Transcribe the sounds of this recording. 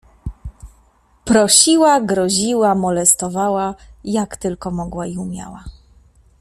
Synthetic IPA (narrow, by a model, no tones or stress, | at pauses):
pɾɔɕiwaɡɾɔʑiwamɔlɛst̪ɔvawajakt̪ɘlkɔmɔɡwaiumʲja̰wa